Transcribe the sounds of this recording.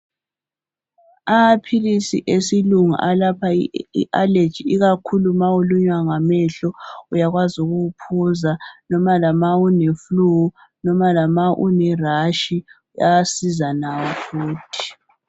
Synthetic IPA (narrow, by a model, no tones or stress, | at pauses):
amapʰilisiʔesiluŋa̰ʔalapʰaḭʔale̥t͡ʃiiɣakʰulumawuluɲwaŋamɛɬɔujaɣwazuɣuupʰuzanɔmalamaunefluɣu | nɔmalamaʔṵnɛraʃi | uja̰asizanawɔfuːtʰi̥